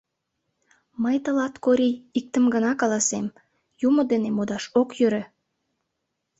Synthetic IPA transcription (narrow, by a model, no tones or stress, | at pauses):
məjt̪ə̆lɑt̪koɾiik̚t̪əmɡənɑkɑlɑsem | jumod̪enemod̪ɑʃokjøɾø